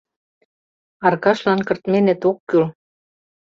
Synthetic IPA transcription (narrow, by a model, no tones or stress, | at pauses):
ɑrkɑʃlɑnkɤ̆rt̪menɘ̆t̪okːyl